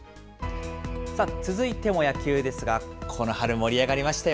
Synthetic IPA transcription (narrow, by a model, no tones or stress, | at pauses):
sat͡sɨzɨit̪e̞mo̞jakʲɨːd̪e̞sɨɡakʰo̞no̞haɾɯ̟mo̞ɾʲiaɡaɾʲimaɕi̥t̪aj